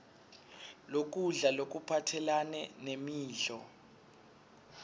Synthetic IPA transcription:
lok̬uɮalok̬upʰatʰɛlanɛnemiːɮɔ

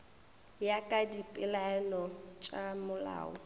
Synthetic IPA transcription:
jakʼadipʼɪlaɛnɔt͡ʃʼamʊla̰ːɔ̰

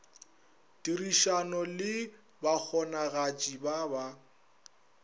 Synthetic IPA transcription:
tʼiriʃanɔlɪ | bak͡xʰɔnaɣat͡ʃʼibaba

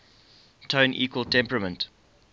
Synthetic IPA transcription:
tʰõʊ̃nʔḭːkwəlˠtʰɛ̃mpɹəmə̃nt

